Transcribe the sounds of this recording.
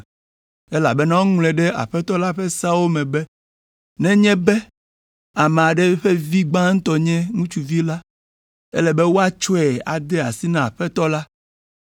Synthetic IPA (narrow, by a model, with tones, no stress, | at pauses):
e˦la̰˨bɛ˦nã˦wo˦ŋ˦lɛ˨ɖɛ˦a̰˨ɸɛ˦t̪ɔ˦la˦ɸe˦sa˦wo˦mɛ̃˨bɛ˦ | nɛ̃˦ɲɛ̃˦bɛ˦ | a˨mẽ˨a˨ɖe˦ɸe˦vi˦ɡ͡ba˦ŋ̩̃˦t̪ɔ˨ɲɛ̃˦ŋũ˦t͡ʃu˦vi˦la˦ | ḛ˦lɛ˨be˦wo˦a˦t͡ʃɔ˦ɛ˨a̰˨d̪ɛ˦a̰˨si˦nã˦a˨ɸɛ˦t̪ɔ˦la˦